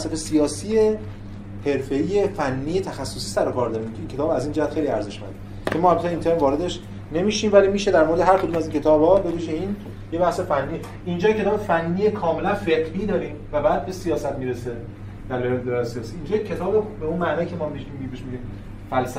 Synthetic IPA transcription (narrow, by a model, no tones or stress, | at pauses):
sæfesijɒːsie | he̞ɾfe̞iːjefænːiːjet̪ʰæxæsːosi̥ːsæɾokʰɒːɾd̪ɒːɾiːmkʰeiːncʰeɒːbæziːnd͡ʒæhæt̪xejliæɾze̞ʃmæ̰nd̪e | cʰemɒːhælbæt̪ʰːint̪ʰeɾmvɒːɾe̞d̪eʃ | ne̞miːʃiːmvælimiːʃe̞d̪æɾmo̞ɾed̪eɦæɾkʰod̪umæziːncʰe̞t̪ʰɒːbhɒːbe̞viːʒeiːn | je̞bæhsefænːiː | ʔind͡ʒɒːjecʰeɒːbefænːijekʰɒːme̞lænfeqɾid̪ɒːɾiːmvæbæːd̪̚be̞sijɒːsæt̪miːɾese | d̪̥æɾloheled̪oɾæesijɒːsiiːnd͡ʒɒːjecʰe̞t̪ʰɒːbobeunmænɒːicʰemɒːmiimːbibeʃmid̪iːm | fælsæ